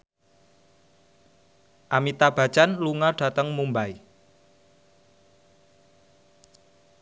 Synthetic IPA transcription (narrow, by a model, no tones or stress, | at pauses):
ʔamit̪ab̥ä̤̥t͡ʃanluŋarɖ̥a̤t̪əŋmumbaj